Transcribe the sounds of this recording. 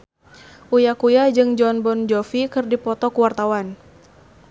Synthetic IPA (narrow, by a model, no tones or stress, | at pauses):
ʔujakujad͡ʒɨŋd͡ʒɔnbɔnd͡ʒɔfikɨrdipɔt̪ɔkuwart̪awan